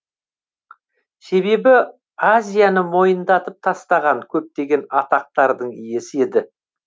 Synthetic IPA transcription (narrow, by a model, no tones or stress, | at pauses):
se̞be̞bɪ | azʲijanəmo̞jənd̪ɑt̪əp̚t̪ʰɑst̪ɑʁɑŋkʲʰɵp̚t̪e̞ɡʲe̞nɑt̪ɑq̚t̪ɑɾd̪əɴije̞sɪe̞d̪ɪ